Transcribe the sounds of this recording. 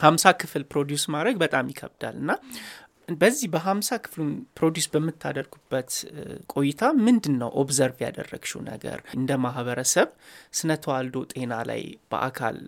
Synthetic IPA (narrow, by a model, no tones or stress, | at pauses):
hamsakʰɨfɨlpɾo̞d̪jusmad̪ɾəɡbət̪ʼamjɪkʰə̰βd̪a̰lɨnːa | bəzːihbəɦamsakʰɨ̥flunpʰɾo̞d̪jusbəmːɨt̪ʰːa̰d̪əɾɡubːət̪kʼo̞jɪt̪ʰamɨnd̪ɨnːəwʔo̰bzəɾvja̰d̪ə̰rːə̰ɡ̥ʃṵwnə̰ɡə̰ɾɨnd̪əmaɦβəɾəsəβsɨnət̪ʰəwald̪o̞t̪ʼe̞nala̰jb̥ə̰ʔa̰kʰa̰l